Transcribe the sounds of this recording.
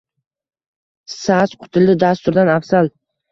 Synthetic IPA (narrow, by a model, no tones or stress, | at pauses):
sasqʰʊ̥t̪ʰɪlɪd̪ast̪ʊɾd̪anafsal